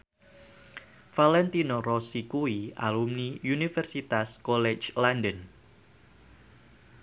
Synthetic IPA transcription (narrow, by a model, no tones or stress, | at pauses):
falɛnt̪inorɔsikuia̰lumniunifɛrsit̪askɔlɛt͡ʃlandən